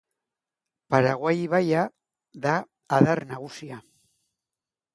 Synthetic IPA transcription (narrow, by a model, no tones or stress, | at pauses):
paɾaɣwajβaja | ðaː | ðaɾnaɣusia